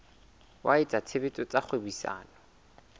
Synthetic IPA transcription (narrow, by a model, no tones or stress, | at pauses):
wʔaɪt͡sʼat͡sʰebetʼɔt͡sʼaχʰwebisa̰ːnɔ